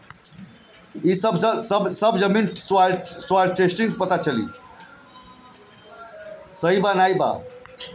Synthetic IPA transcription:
isəbsbsəbd͡ʒəminswaʈswaʈʈesʈiŋɡpət̪at͡ʃʰəlḭ | səɦibanajba̰

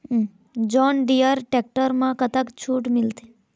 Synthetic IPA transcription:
d͡ʒɔnɖijəɾʈek̚ʈəɾmãkət̪əkt͡ʃʰuːʈmɪlt̪e̥

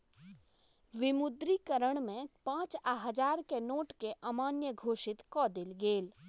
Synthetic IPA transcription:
ʋɪmʊd̪ɾikəɾəɽ̃mẽpãːt͡ʃaɦəd͡ʒaːɾkenoːʈkeʔɐmaːnjəɡʱoːʃɪt̪kɔːd̪ɪlɡeːl

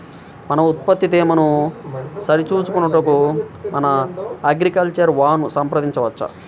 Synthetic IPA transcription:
mɐnɐut̪̚pɐt̪ːit̪iːmɐnu | sɐɾit͡ʃuːt͡ʃukunɐʈɐkumɐnɐɐɡɾikɐlt͡ʃɐɾʋaːnusɐmpɾɐd̪iɲt͡ʃɐʋɐt͡ʃːɐ̰

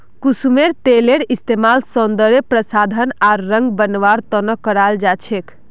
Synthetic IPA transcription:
kusumeɾt̪eleɾist̪emalsɔnd̪əɾepɾəsad̪ʱənaɾɾə̃ŋɡ̚bənʋaɾt̪ənəkːəɾald͡ʒat͡ʃʰek

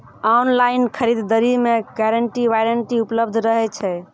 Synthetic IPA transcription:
anlainkʰəɾid̪ːəɾimeɡɛɾəɳʈiʋajɾəɳʈiupləbd̪ʱɾəɦɛt͡ʃʰɛ

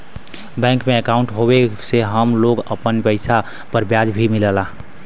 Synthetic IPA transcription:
bɛ̃ːŋkmẽəkaʊ̃ɳʈɦobeseɦəmloɡə̰pənpəɪsa | pəɾbjad͡ʒbʱimɪləla

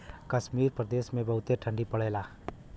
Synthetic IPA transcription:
kɐʃmiːɾpɾəd̪eːʃmẽbɐɦʊt̪eʈʰə̃ɳɖipɐɽ̤eːlaː

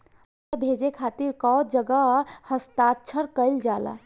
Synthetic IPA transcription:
bʱed͡ʒekʰat̪iɾkɔd͡ʒəɡəhəst̪atːt͡ʃʰəɾkəɪld͡ʒala̰

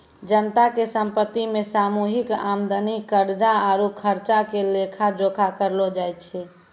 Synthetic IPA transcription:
d͡ʒənət̪akesəmpət̪ːimesamuɦika̰md̪ənikːəɾd͡ʒaaɾukʰəɾt͡ʃakelekʰad͡ʒokʰakəɾlɔd͡ʒajt͡ʃʰɛ

